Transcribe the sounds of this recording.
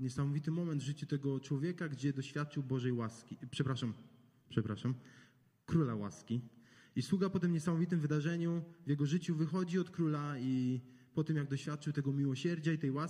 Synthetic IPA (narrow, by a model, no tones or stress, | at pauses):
ɲɛsamɔvʲit̪ɘmɔmɛnd̪vʐɘt͡ɕut̪ɛɡɔt͡ʂwɔvʲjɛkaɡd͡ʑɛd̪ɔɕfʲjat̪̚t͡ʂɘwbɔʐɛjwaskʲipʂɛpɾaʂam | pʂɛpɾaʂam | kɾulawa̰skʲiiswuɡapɔt̪ɘmɲɛsamɔvʲit̪ɘmvɘd̪aʐɛɲuvjɛɡɔʐɘt͡ɕuvɘxɔd͡ʑiɔt̪kɾulaipɔt̪ɘmjaɡd̪ɔɕfʲat̪̚t͡ʂɘwt̪ɛɡɔmʲiwɔɕɛɾd͡ʑait̪ɛjwa